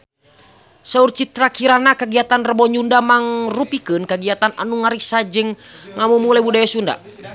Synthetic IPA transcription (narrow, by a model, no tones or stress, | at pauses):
saurt͡ʃit̪ɾakiɾanakəɡiat̪anrəbɔɲundamaŋrupikɨnkəɡiat̪anʔa̰nuŋaɾisad͡ʒɨŋŋamumulɛbudajasunda̰